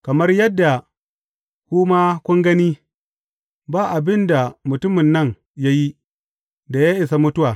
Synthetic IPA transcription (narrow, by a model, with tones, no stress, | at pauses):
kɐ˨mɐ˦rjɐ˦dːa˨ | kʷuː˦maː˦kʷʊ˦ŋɡɐ˦niː˦ | baː˦˨ʔa˨bɪ˦nda˨mʊ˨tʊ˦mɪ˨nːɐ˦˨ŋ | ja˦ji˦ | da˨jaː˦ʔɪ˨sa˦mʊ˦tʊ˦waː˨